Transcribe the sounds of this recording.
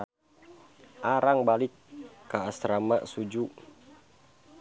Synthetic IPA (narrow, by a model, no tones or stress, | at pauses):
ʔaɾaŋbalɪkkaːst̪ɾama̰ʔsud͡ʒu